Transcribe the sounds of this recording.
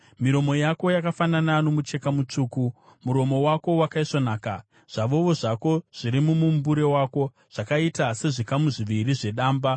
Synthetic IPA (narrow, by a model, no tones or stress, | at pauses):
miɾo̞mo̞jako̞jakafananano̞mut͡ʃe̞kamut͡ʂuːku | muɾo̞mo̞wako̞wakaiʂonaːka | ʐ̥aʋo̞ʋo̞ʐako̞ʐ̥iɾimumumbuɾe̞wako̞ | ʐ̥akaitase̞ʐikamuʐiʋiɾiʐe̞ɗaːmba